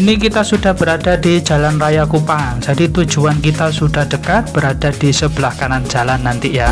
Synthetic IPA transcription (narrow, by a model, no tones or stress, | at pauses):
inikit̪asud̥ahb̥əɾadadid͡ʒa̤lanrajakupaŋd͡ʒ̥adit̪ud͡ʒuankit̪asudahɖ̥əkat̪̚b̥əɾad̥adisəb̥əlahkanand͡ʒalanːant̪ija